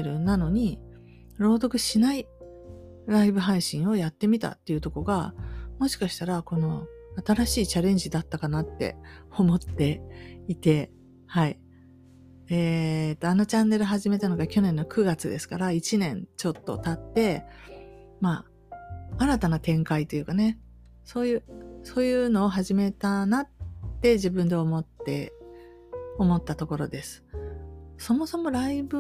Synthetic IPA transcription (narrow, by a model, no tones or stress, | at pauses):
ɾɯ̟nano̞ɲ̟i | ɾo̞ːd̪o̞kɯ̟ɕinai | ɾaibɯ̟ɦaiɕĩɰ̃o̞jat̪ːe̞mʲit̪a̰t̪ːe̞iɯ̟t̪o̞ko̞ɡamo̞ɕi̥kaɕi̥t̪aɾako̞no̞at̪aɾaɕiːt͡ɕaɾẽ̞ɲ̟d͡ʑid̪at̪ːakanat̪ːe̞̰o̞mo̞t̪ːe̞it̪e̞ | hai | et̪ːo̞ano̞t͡ɕãnːe̞ɾɯ̟ɦaʑime̞t̪ano̞ɡakʲo̞nẽ̞nːokɯ̟ɡat͡sɨd̪e̞sɨ̥kaɾait͡ɕinẽ̞nt͡ɕo̞t̪ːo̰t̪at̪ːe̞ | maː | ɾat̪anat̪ẽ̞ŋkait̪ːojɯ̟kane̞ | so̞ːjɯ̟ːso̞ːjɯ̟ːno̞ːɦaʑime̞t̪anat̪ːe̞ʑibɯ̃nd̪e̞o̞mo̞t̪ːe̞ | o̞mo̞t̪ːat̪o̞ko̞ɾo̞̰d̪e̞sɨ̥ | so̞mo̞so̞mo̞ɾaibɯ̟